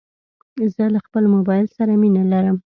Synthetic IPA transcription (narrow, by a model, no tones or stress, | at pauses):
zəlaxpəlmʊbɑjɪlsaɾaminalaɾəm